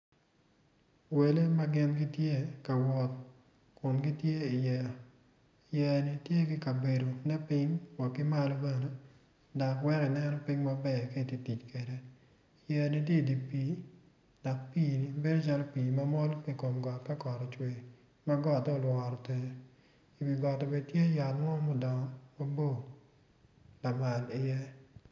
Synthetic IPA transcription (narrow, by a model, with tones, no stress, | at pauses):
we˨le˦ma˦ɡɪ˦nɡɪ˦tje˦ka˨wɔ˨t̪̚ | kʊ˨nɡɪ˦tje˦ɪ˨jɛ˨ | jɛ˨nɪ˨tje˦ɡɪ˦ka˨be˨do˨nɛ˦pɪ˦ɲwa˨kɪ˦ma˦lɔ˦bɛ˦ne˦ | dɔ˨kwɛ˦ɾɪ˨nɛ˦nɔ˦pɪ˦ɲma˦bɛ˦ke˦˨ti˨ti˨t͡ʃkwe˨de˦ | jɛ˨ni˨t̬je˦˨di˨pi˨˦ | dɔ˨k̚piː˦˨ni˨be˦do˦t͡ʃa˦lo˦piː˨ma˦mɔ˦lke˦˨ko˨mɡɔ˨tka˦kɔ˨ɾɔ˨t͡ʃwe˨ | ma˦ɡɔ˦˨tɔ˦˨lwɔ˨ɾɔ˨te˨ | i˨bi˨ɡɔ˨tɔ˨be˨d̚tje˦ja˨lŋɔ˦mɔ˦˨dɔ˨ŋɔ˦ma˦bo˦˨ | la˨ma˨lɪ˨jɛ˦